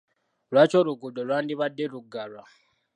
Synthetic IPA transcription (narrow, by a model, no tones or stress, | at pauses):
rwat͡ʃoɾuɡuɗorwandiβadeɾuɡarwa